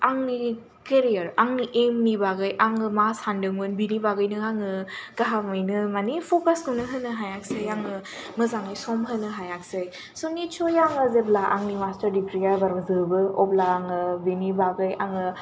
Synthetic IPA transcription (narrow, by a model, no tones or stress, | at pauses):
aŋni | keɾijɐɾaŋniʔemnibaɡɯjʔaŋɯmasandɯŋɯnbinibaɡɯjnɯaŋɯkaɦamɯjnɯmanipʰokaskɯwnɯɦɯnɯɦajak̚sejaŋɯ | mɯzaŋajsɔmɦɯnɯɦajak̚sɯj | sonit͡ʃʰojaŋɯzeplaʔa̰ŋnimastɐɾdipʰɾijajbaɾmɯzɯbɯɔp̚laːŋɯbinibaɡɯjaŋɯ